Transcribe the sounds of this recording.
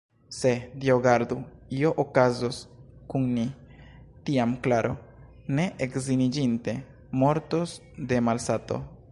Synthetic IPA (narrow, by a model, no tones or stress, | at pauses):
se̞dioɡaɾd̪uio̞ʔokazoskunni | tiamklaɾʔo̞̰ | ne̞ʔekzinid͡ʒinte̞ | mo̞ɾto̞s | de̞malsato̞̰